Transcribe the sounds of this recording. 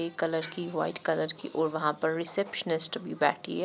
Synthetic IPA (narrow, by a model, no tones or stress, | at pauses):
ekɐləɾkiʋa̰ːɪʈkɐləɾkḭʔɔːɾʋɐɦãpɐɾːɪsepʃənɪsʈbʱibɛ̰ːʈʰḭɛ